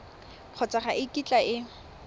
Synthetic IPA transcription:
q͡χʰɔt͡sʼaχaʔɪkʼit͡ɬʼaɪ

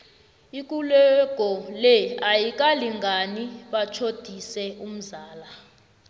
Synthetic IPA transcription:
ik̬ʼulɛɡ̥ʱɔlɛajik̬ʼaliŋɡʱaniɓat͡ʃʰod̥ʱisɛum̩zaːla

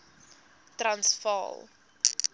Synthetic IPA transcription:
trɐnsfɑ̰ːlˠ

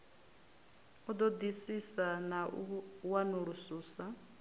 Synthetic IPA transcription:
ud̪ɔd̪isisanawanuɺusuːsa

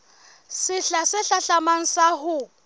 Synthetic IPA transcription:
sɪɬasɪɬaɬamaŋ̩saɦʊ

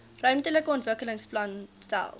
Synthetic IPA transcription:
rœɥmtələkəɔntvəkələŋsplɐnstæ̰lˠ

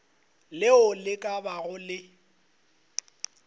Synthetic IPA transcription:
lɪʊlɪkʼabaɣʊlɪ

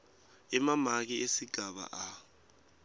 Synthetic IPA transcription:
ɛmamak̬iʔesiɡ̥ʱaɓa̰ʔa

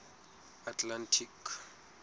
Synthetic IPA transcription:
atʰlantʰik

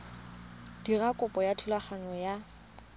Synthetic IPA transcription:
d̥irakʼʊpʼɔjatʰulaχanɔja

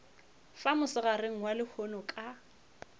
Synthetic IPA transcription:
famʊsɪɣarɪŋ̩walɪhʰonɔkʼa

